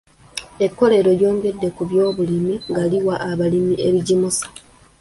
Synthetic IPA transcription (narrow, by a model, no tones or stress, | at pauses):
e̞kːo̞le̞ɾo̞ljo̞ːŋɡe̞dːe̞kuβjo̞ːβulimiŋɡaliwaʔaβalimie̞βiɟimusḁ